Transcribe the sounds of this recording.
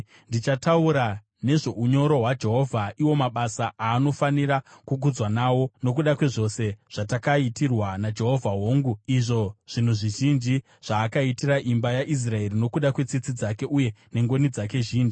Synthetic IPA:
ndit͡ʃatauɾa | ne̞ʐo̞uɲo̞ɾo̞ɦwad͡ʒe̞ɦo̞vʱaʔiwo̞maɓasaaːnofaniɾakuɡʱud͡zwanawo̞no̞k̬uɗakwe̞ʐo̞se̞ʐ̥atakaitirwanad͡ʒe̞ɦo̞vʱaɦoːŋɡuiʐo̞ʐ̥in̤uʐiʒind͡ʒi | ʐ̥aːkaitiɾaʔimbajaʔis̬rae̞rino̞kuɗakwe̞t͡sit͡sid͡zake̞ʔuje̞ne̞ŋɡo̞nid͡zak̬e̞ʒiːnd͡ʒi

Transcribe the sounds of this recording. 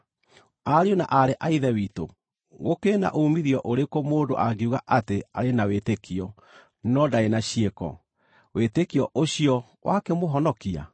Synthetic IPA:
aɾeona̰ʔaɾeʔaiðɛwiːto̰ | ɣokeːna̰ʔomiɾiɔʔoɾekomoːndo̰ʔaɡeuɣaʔateaɾenawetekiɔ | nɔdaenaɕiekɔ̰ | wetekiɔʔoɕiɔ | wʔakɛmoɦɔnɔkia̰

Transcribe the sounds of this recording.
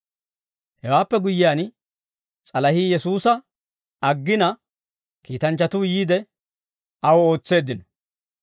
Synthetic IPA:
hɛwaːpːɛɡʊjɪjaːn | t͡sʼɐlɐhiːjɛsuːsɐ | ɐɡːɪnɐ | kiːt̪ɐnt͡ʃːɐt̪uːjiːd̪ɛ | ɐwɔo̞ːt͡sːe̞ːd̪ːɪnɔ

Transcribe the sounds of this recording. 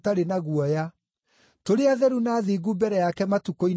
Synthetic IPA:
taɾenaɣuɔja | toɾeaðɛɾunaðeːɣubɛɾɛjakɛmatukoi

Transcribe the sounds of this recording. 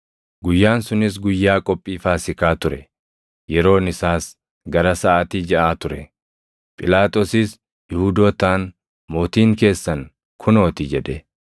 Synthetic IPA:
ɡʊjːaːnsʊnɪs̬ɡʊjːaːkʼɔpʼːiːfaːsɪkaːt̪ʊɾɛ | jɛɾo̞ːnɪsaːs | ɡɐɾɐsɐʔaːt̪id͡ʒɛʔaːt̪ʊɾɛ | pʼɪlaːt̪ʼo̞ːsɪs | jɪhʊd̪oːt̪aːn | moːt̪iːŋke̞ːsːɐn | kʰʊno̞ːt̪ɪd͡ʒɛᶑɛ

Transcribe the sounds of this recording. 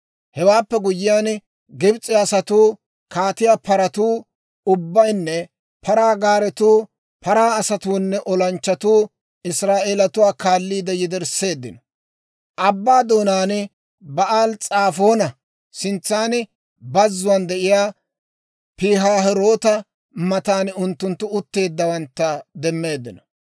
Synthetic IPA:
hɛwaːpːɛɡʊjɪjaːn | ɡɪbt͡sʼɪjaːsɐt̪uː | kaːt̪ɪjapɐɾɐt̪uː | ʊbːɐjnːɛ | pʰɐɾaːɡaːɾɛt̪uː | pɐɾaːɐsɐt̪uːnːɛʔɔlɐnt͡ʃːɐt̪uː | ɪsɾaːʔeːlɐt̪ʊwaːkaːlːiːd̪ɛjɪd̪ɛɾsːe̞ːd̪ːɪnɔ̥ | ʔɐbːaːd̪o̞ːnaːnɪ | bɐʔaːlt͡sʼaːfo̞ːnɐ | sɪnt͡sːaːnɪ | bɐzːʊwɐːnd̪ɛʔɪjaː | piːɦaːɦɛɾo̞ːt̪ɐ | mɐt̪aːnʊnt̪ːʊnt̪ːʊʊt̪ːe̞ːd̪ːɐwɐnt̪ːɐd̪ɛmːe̞ːd̪ːɪnɔ

